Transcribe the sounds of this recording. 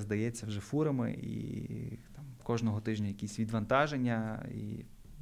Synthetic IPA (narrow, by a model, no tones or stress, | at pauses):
zd̪ɐjɛt͡sʲːɐwʒɛfuɾɐmɪ̰ʔḭt̪ɑmkɔʒnɔɦɔt̪ɪʒnʲɐjɐkʲisʲʋʲid̪ʋɐnt̪ɑʒenʲːɐḭ